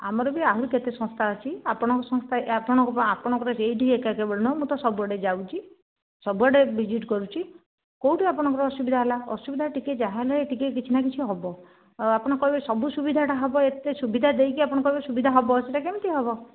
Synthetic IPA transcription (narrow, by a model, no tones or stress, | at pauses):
a̰mɔɾɔbiaɦuɾuket̪esɔ̃st̪ʰaɔt͡ʃʰiapɔɽ̃ɔ̃ŋkɔsɔ̃ŋst̪ʰaapɔɽ̃ɔ̃ŋkɔpapɔɽ̃ɔ̃ŋkɔɾɔsejɖʱiekakebɔɭnɔmut̪ɔsɔbuɔɽed͡ʒawt͡ʃʰi | sɔbuɔɽebid͡ʒiʈkɔɾut͡ʃʰi | kowʈiapɔɽ̃ɔ̃ŋkɔɾɔɔsubid̪ʱaɦelaɔ̰subid̪ʱaʈiked͡ʒaɦelaeʈikek̬it͡ʃʰinak̬it͡ʃʰiɦɔbɔ | apɔɽ̃ɔkɔɦibsɔbusubid̪ʱaʈaɦɔbɔet̪esubid̪ʱad̪ejkiapɔɽ̃ɔ̃kɔɦibɔsubid̪ʱaɦɔbɔːt͡ʃʰitakemt̪iɦɔbɔ